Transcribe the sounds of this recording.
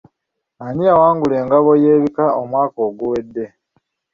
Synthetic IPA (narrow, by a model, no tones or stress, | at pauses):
aniawaːŋɡule̞ːŋɡaβo̞jeːβikaomwaːko̞ːɡuwe̞dːe̞